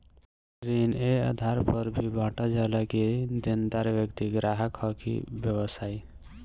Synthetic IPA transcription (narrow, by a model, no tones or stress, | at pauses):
ɾinea̰d̪ʱaɾpəɾbʱibʱãːʈad͡ʒalaked̪end̪aɾʋjəkt̪iɡɾaɦəkhɔkḭbjəwəsaːj